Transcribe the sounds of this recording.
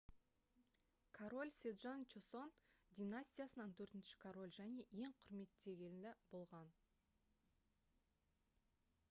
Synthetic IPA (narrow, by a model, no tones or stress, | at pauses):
kʰoɾo̞lʲsʲed̪ʒant͡ʃeso̞nd̪ʲijnasʲt̪ʲijasənɑnt̪ʰɵɾt̪ɪnʃɪ̥kʰoɾo̞lʲʒæne̞je̞ŋqʰʊɾme̞t̪ːe̞ɡʲe̞lnɪbo̞lˠʁɑn